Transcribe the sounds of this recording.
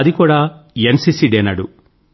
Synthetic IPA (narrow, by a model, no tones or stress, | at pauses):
ɐd̪ikuːɽaːensisiɖeːnɐɽu